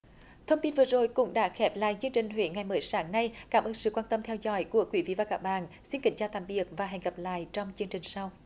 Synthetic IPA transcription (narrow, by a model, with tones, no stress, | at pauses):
t̪ʰə˧wŋ͡mt̪i˧nvɨ˨˩əzo˨˩jkʊ̰˧˥ŋ͡mɗa̰ː˧˥xɛ˨˦˥p̚la̰ː˧˨jt͡ɕɨ˧əŋt͡ɕï˨˩ŋ̟ɦwḛ˧˨˦ŋa˨˩jməː˨˦jsaː˨˦ŋna˧jkaː˨˦˩mʔəː˧nsɨ̰˧˨kwaː˧nt̪ə˧mt̪ʰɛ˧wzɔ̰˧˥jku˧˩˦əkwi˨˧˦vḭ˧˨vaː˨˩kaː˦˥k̚ɓa̰ː˧˨nsi˧nkï˨˦ŋ̟t͡ɕaː˧wt̪a̰ː˧˨mɓi˨˩ək̚vaː˨˩ɦa˨˩jŋ̟ɣa˨˩p̚la̰ː˧˨jt͡ɕɔ˧wŋ͡mt͡ɕɨ˧əŋt͡ɕï˨˩ŋ̟sa˧w